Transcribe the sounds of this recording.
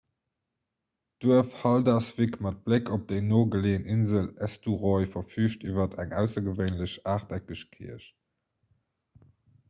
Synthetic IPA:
d̥uəfhɑldasv̥ikmɑt̚b̥lekʰop̚d̥eɪnoːɡəleːəninzəlæstuʁɔɪfɐfyːɕtivɐtʰæŋʔæʊsɐɡəvəɪnləɕaːχtækəɕkʰḭəɕ

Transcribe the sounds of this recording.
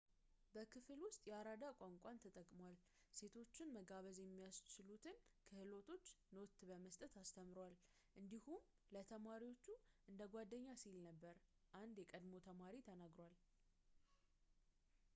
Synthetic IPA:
bəkʰɨfɨlwʊst̪ʼjɛaɾad̪akʷʼaŋkʷʼant̪ʰət̪ʼəkʼmowal | se̞t̪ʰo̞t͡ʃːɪnməɡaβəzjɛmːijast͡ʃːɪlut̪ʰɨnkʰɨhɨlo̞t̪ʰo̞t͡ʃːno̞t̪bəməst̪ʼət̪ast̪ʰəmɾwal | ʔɨnd̪ihum | lət̪ʰəmaɾiwo̞t͡ʃːuʔɨnd̪əɡʷad̪ːəɲːasilnəbːəɾ | ʔand̪jɛkʼəd̪mo̞t̪ʰəmaɾit̪ʰənaɡɾwal

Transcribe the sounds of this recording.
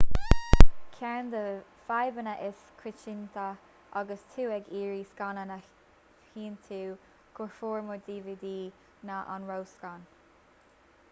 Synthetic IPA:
kʰɛnd̪əfajbənəʔɪskʰɾɪt͡ʃint̪ʰə | ʔaɡəst̪ʰuːɛɡiːɹiːskanənə | hiːnt̪ʰuː | ɡ̥ʊɹfoːɹmɔɹd̪iːvid̪iː | naʔa̰nɹowskan

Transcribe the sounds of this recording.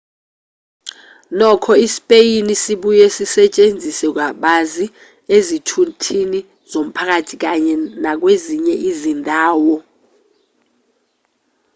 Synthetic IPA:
nɔkʰɔispʼejinisiɓujɛsisɛt͡ʃʼend͡zʱisɛk̬ʼwaɓazi | ezitʰutʰini | z̥om̩pʰak̬atʰik̬aɲɛnak̬weziɲɛʔizindʱaːwɔ

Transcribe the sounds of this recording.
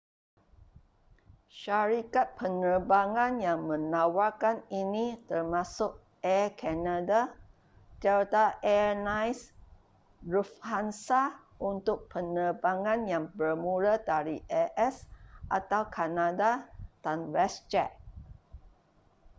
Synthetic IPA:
ʃaɾikat̪̚pʰənərbaŋãnjãŋmə̃nawakaninĩt̪ərmãsʊk̚ | ɛkʰɛnada | t̪ɛt̪aʔɛnãjs | ɹufhansa | ʔunt̪ʊk̚pənəbaŋãnjaŋbərmuɾadaɾiʔɛʔɛsʔat̪awkʰanadad̥anwɛst͡ʃɛʔ̚

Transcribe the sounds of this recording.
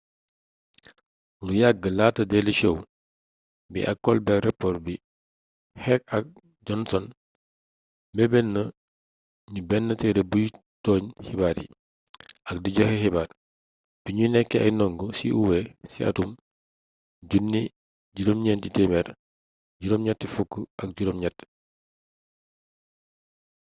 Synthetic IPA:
lujaɡəlaːtɐdɛlit͡ʃow | bḭʔɐkːɔlbɛrɛpːɔrbi | hɛk̚ɐk̚ | ɟɔnsɔn | mɛbɛnːə | ɲubɛnːətɛdɛbuj | tɔːɲhibaːɾḭ | ʔɐkdiɟɔhehibaːɾ | b̥iɲunɛkːɛɐjnɔŋɡusḭʔuwɛsḭa̰tum | ɟunːi | ɟuɾomɲɛːntitɛmɛɾ | ɟuɾomɲatːifukːəɐk̚ɟuɾomɲatː

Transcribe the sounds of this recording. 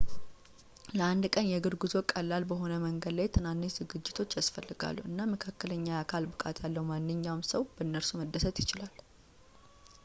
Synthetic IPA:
ləʔand̪kʼənjɛɡɨɾɡuzo̞kʼəlːalbəɦo̞nəməŋɡəd̪lajt̪ʰɨnanːizɨɡɨd͡ʒːɪt̪ʰo̞t͡ʃːjasfəlːɨɡa̰lːuɨnːaməkʰakːələɲːaakʰalbɨkʼa̰t̪ʰjalːəwmanːɨɲːawmsəwbəɨnːəɾsuməd̪ːəsət̪jɪt͡ʃɪlal

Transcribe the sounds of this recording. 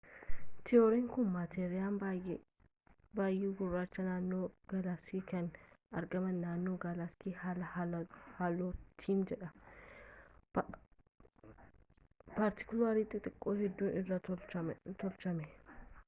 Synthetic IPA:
t̪ʰɪoɾɪŋkʊnmat̪ʰeːɾɪjaːm | baːjːiɡʊrːaːt͡ʃːɐnaːnːoːɡ̥ɐlasiːkɐnɐɾɡɐmɐnaːnːoːɡɐlaskiːhɐlɐhhalot̪ʰiːnd͡ʒɛᶑɐ | pɐɾt̪ɪ̥kʊlaːɾiːt̪ʼɪt̪ʼɪkʼːoːhɛd̪ːuːnɪrːɐt͡ʃɐt̪ɔlt͡ʃɐmɛ

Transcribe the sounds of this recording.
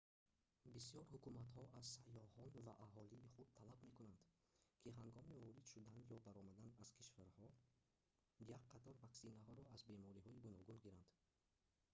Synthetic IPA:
bisijɔɾhukumat̪hɔʔaz̥sajɔhɔnvaʔaɦɔliːχud̪̚t̪ʰalabme̞kunand̪ | kʰiɦaŋɡɔmivɔɾid̪̥ʃud̪anjɔbaɾɔmad̪anaz̥kʰiʃvaɾhɔ | jakqʰːat̪ʰɔɾvaksinaɦɔɾɔazbe̞mɔɾiɦɔiɡunɔɡunɡiɾand̪̥

